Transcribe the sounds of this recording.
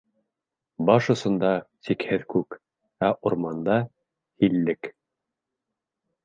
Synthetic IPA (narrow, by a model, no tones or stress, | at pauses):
bɑʃŏsɤ̆nd̪ɑt̪ikhɘðkʉk | æʔuɾmɑnd̪ɑ | hilːɘk